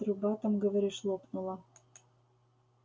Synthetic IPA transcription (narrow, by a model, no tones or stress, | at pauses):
rubɑt̪ə̆mɡə̆βə̆ɾeʃlˠopnulɑ